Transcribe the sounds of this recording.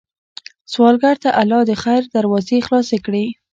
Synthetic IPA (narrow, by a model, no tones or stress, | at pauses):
swɑlɡaɾt̪aʔalɑd̪əxajɾd̪aɾwɑzexlɑsekɽe